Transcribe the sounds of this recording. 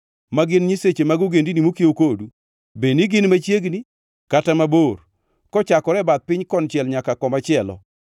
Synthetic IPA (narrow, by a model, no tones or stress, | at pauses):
maɡɪnɲiset͡ʃemaɡuɡendinimokjokodu | beniɡɪnmat͡ʃjeɡni | katamabor | kɔt͡ʃakɔɾɛbat̪̚pɪɲkɔnt͡ʃjɛlɲakakɔmat͡ʃɪɛlɔ̰